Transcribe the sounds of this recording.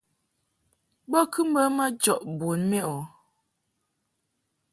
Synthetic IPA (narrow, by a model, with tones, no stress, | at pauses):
bɔ˦kʰʉ˦m̩˦bə˦ma˦d͡ʒɔ˨ʔbo˨nmɛ˦ʔɔ˨